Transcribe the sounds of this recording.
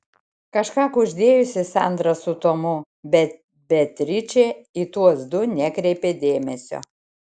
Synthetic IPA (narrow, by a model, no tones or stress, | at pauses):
kɐʃkɑːkʊʒʲd̪ʲeːjʊsʲɪsɑ̰ˑnd̪ɾɐsʊt̪oːmʊ | bʲɛt̪ | bʲɛt̪ʲɾʲɪt͡ʃʲeːit̪uɔsd̪ʊnʲɛkɾʲɛɪpʲeːd̪ʲeːmʲɛsʲo̰